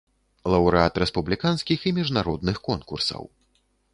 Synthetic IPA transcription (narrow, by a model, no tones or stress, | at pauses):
lˠɐwɾɨat̪ɾɛspublʲikanskʲiximʲiʐnaɾɔd̪nɨxkɔnkursɐ̰w